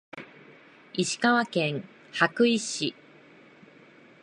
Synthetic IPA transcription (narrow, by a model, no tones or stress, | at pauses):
iɕi̥kaβakẽ̞ŋ | hakɯ̟iɕi